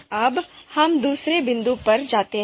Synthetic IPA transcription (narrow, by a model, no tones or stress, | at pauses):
ɐbhɐmd̪uːsɾebɪ̃nd̪upɐɾd͡ʒaːt̪eɦ